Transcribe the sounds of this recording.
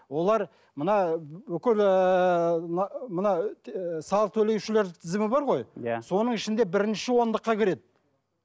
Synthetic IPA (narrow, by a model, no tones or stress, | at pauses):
wo̞lˠɑɾ | mənɑbʏkʲɪlə | nmənɑsɑlˠəq̚t̪ʰɵle̞wʃɪle̞ɾd̪ɪt̪ʰɪzɪmɪbɑɾʁo̞jjaso̞nəɴɪʃɪnd̪e̞bɪɾɪnʃɪwo̞nd̪əqːɑkʲʰɪɾe̞d̪ɪ